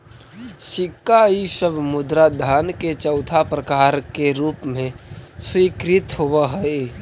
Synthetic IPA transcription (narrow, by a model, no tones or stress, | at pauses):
ʃɪkːaisəbʱmʊd̪ɾad̪ʱaːnket͡ʃəʊt̪ʰapɾəkaːɾkeɾuːpmẽswiːkɾɪt̪ɦowaɦəe